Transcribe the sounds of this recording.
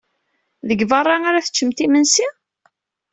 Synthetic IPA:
ðəɡvərˤːɑŋaɾaθə̥t͡ʃːəmt̪imənsi

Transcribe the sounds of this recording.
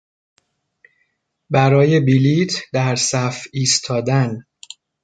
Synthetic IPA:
bæɾɒːje̞bilit̪ʰd̪æɾsæfiːst̪ʰɒːd̪æn

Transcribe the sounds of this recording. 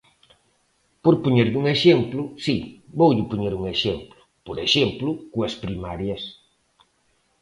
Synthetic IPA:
poɾpoɲeɾʎuŋeʃemplʊsibowʎɪpoɲeɾuŋeʃemplʊ̥ | poɾeʃemplʊkuɐspɾimaɾjɐs

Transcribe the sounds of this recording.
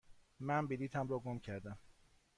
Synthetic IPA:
mænbiliːt̪ʰæmɾɒːɡomcʰæɾd̪æm

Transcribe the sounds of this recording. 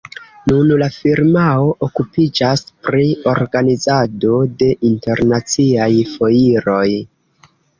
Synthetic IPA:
nunlafiɾmao̞ʔokupid͡ʒaspɾio̞ɾɡanizado̞de̞ʔinte̞ɾnat͡siajfo̞iɾo̞j

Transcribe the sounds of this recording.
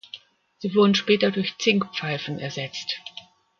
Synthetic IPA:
z̥iːvʊɐdn̩ʃpɛːtɐdʊɐçt͡sɪŋkpp͡faɪfn̩ɛɐzɛt͡st

